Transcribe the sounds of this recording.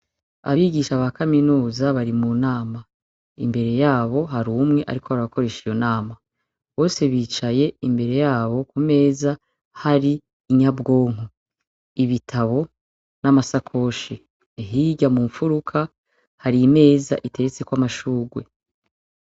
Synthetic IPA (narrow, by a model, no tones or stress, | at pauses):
a̰βiɡiʃaβakaminuːzaβaɾimunaːma | imbe̞ɾe̞jaːβo̞ɦaɾumŋe̞ʔa̰ɾikʰo̞βaɾiβako̞ɾe̞ːʃijo̞naːma | βo̞ːse̞βiːt͡ʃaje̞imbe̞ɾe̞jaːβo̞kume̞ːza | haɾiː | ɲabɡo̞ːŋ̥u | iβitʰaβo̞ | namasakʰo̞ʃi | ɦiɟamuːɱfuɾukʰa | haɾime̞ːza̰ʔite̞ɾet͡se̞kwamaʃuːɡwe̞